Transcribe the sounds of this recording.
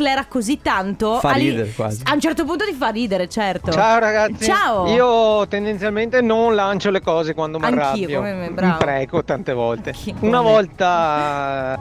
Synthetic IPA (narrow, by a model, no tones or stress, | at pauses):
lɛːɾakozit̪ːant̪ofaaiːd̪eɾekwa̰ːziaunt͡ʃɛrt̪op̬unt̪ot̪ifarːiːd̪eɾet͡ʃɛrt̪ot͡ʃaoɾaɡat̪ːt͡ʃiaːoiːot̪end̪ent̪sjalment̪enonlant͡ʃolekɔːzekwand̪omarŋːkaiːojomemɛbɾamːpɾɛːkot̪ant̪evɔlt̪eunavɔlt̪a